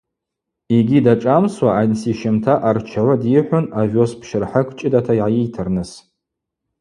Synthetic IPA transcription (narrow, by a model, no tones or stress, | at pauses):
iɡʲidaʈ͡ʂʼamswaansiʃɪmtʰaʔart͡ʃʰawadiħʷʊnavospʰʃɪrħakʷʰʼt͡ʃʼɪdatʰajʕajijtʰɨrnɨs